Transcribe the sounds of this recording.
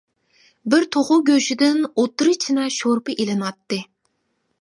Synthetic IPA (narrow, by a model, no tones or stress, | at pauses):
bɪɾt̪ʰoʁʊɡʲøʃɪd̪ɪnot̪ːɨɾɨt͡ʃʰinɛʃoɾpɨʔelɨnɑt̪ːɨ